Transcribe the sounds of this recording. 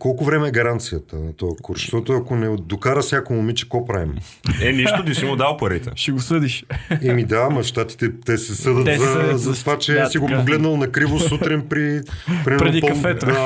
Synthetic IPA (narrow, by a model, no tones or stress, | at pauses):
kɔlˠkʊvɾɛmɛːɡɐɾant̪sijət̪ənɐt̪ɔɐkoɾʃt̪ɔt̪ʊɐkonɛd̪okaɾəsnʲakomomit͡ʃɛ̥kɔpɾaḭm | ɛniʃt̪ot̪isimʊd̪alˠpɐɾit̪ɛ̰ʃɛɡosɤd̪iʃɛmid̪amɐʃt̪at̪i̥t̪ɛt̪ɛsɛsɤd̪ət̪zɐzɐt̪ovat͡ʃɛsiɡopoɡlɛd̪nɐlˠnɐkɾivosut̪ɾinpɾipɾʲiɛɾɛd̪ipɐfɛt̪d̪a